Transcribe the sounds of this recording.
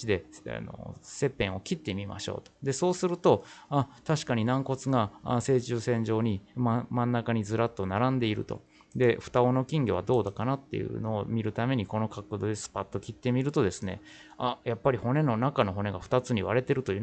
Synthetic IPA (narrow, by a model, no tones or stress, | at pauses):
id̪e̞a̰no̰se̞pẽ̞ɰ̃o̞kʲit̪ːe̞mʲima̰ɕo̰ːt̪o̥d̪e̞so̞ːsɨɾɯ̟t̪o̞at̪aɕi̥kaɲ̟inãŋko̞t͡sɨɡaa̰se̞ːt͡ɕɨːsẽ̞ɲ̟d͡ʑo̞ːɲ̟immãnːakaɲ̟id͡zɨɾat̪ːo̞naɾãnd̪e̞iɾɯ̟̰t̪o̞̰ | d̪e̞ɸɯ̥t̪ao̞no̞kʲĩŋɡʲeβad̪o̞ːd̪akanat̪ːe̞̰jɯ̰no̞ːmʲiɾɯ̟t̪ame̞ɲ̟iko̞no̞kakɯd̪oːd̪esɨ̥pat̪ːo̞kʲit̪ːe̞mʲiɾɯ̟t̪o̞d̪e̞sɨne̞̰ | ajapːaɾʲiho̞ne̞no̞nakano̞ɦo̞ne̞ɡaɸɯ̟̥t̪at͡sɨɲ̟iβaɾe̞t̪e̞ɾɯ̟t̪o̞jɯ